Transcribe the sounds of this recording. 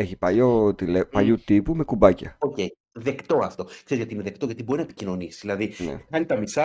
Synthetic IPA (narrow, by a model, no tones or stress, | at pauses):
e̞çipɐjot̪ilepɐʎut̪ipume̞kubɐcɐo̞cej | ðe̞kt̪o̞ɐft̪o̞kse̞ɾizjɐt̪iineðe̞kt̪o̞ʝɐt̪ibo̞ɾinɐepi̥cino̞nisi̥ðilɐðinḛɐnit̪ɐmisɐ